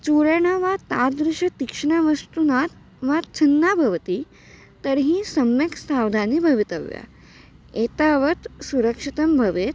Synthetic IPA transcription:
t͡suɭeɳ̃aʋat̪ad̪ɾuɕət̪ikʂɳaʋəst̪unat̪ | ʋat͡ɕʰənːabʱɐʋt̪i | t̪əɾɦĩːsəmjəksaʋd̪ʱanibʱəʋit̪əʋja̰ | et̪aʋət̪suɾəkʂit̪əmbʱəʋet̪

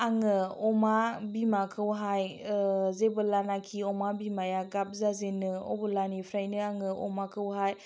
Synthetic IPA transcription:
aŋɯɔmabimakʰɯwɦajzebɯlanakʰiɔmabimajaɡap̚zazenɯɔ̰bɯlanipʰɾajnɯaŋɯɔ̰makʰɯwɦaj

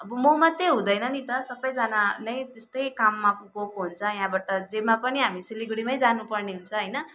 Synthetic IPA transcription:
ʌbʌmomʌt̪ːeɦũd̪ʌjnʌnit̪ʌsʌbʌjd͡zananʌj̃t̪est̪ʌjkamːapuɡokoɦunt͡sʰʌjɦãbaʈʌd͡zemapʌniɦamisiliɡɽimʌjd͡zanupʌrneɦunt͡sʰʌɦʌjnʌ

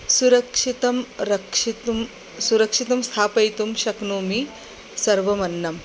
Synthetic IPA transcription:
suɾɐkʂit̪ɐmɾɐkʂit̪um | suɾɐkʂit̪ɐmst̪ʰaːpɐjt̪umʃɐknuːmi | sɐɾʋɐmɐnːɐm

